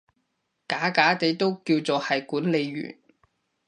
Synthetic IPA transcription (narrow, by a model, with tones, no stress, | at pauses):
kaː˨˥kaː˨˥t̪e˨˥jt̪o˥wkiː˧wt͡soː˨hɐ˨jkuː˨˥nle˨˧jːy̰ː˨˩n